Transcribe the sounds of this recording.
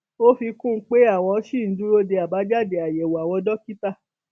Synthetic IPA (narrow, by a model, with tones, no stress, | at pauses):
o˦fi˧kũ˦k͡pe˦a˦˨w̃ɔ̃˧˦ʃi˦˨n̩˨˦dũ˦ɾo˦de˧a˨ba˨˦d͡ʒa˦˨de˧˨a˨je˨wo˨a˨w̃ɔ̃˧dɔ˦ki˦ta˦˨